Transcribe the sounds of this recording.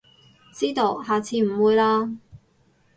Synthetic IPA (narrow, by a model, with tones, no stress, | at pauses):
t͡siː˥t̪o˧wɦaː˨t͡sʰiː˧m̩˨˩wuː˨˧jlaː˧